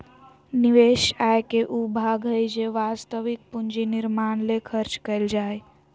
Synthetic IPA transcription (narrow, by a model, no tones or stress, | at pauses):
niʋeʃajkeʔubʱaːɡɦəjd͡ʒeʋast̪əʋik̚pund͡ʒinɪɾmaːnlekʰəɾt͡ʃkəɪld͡ʒaːe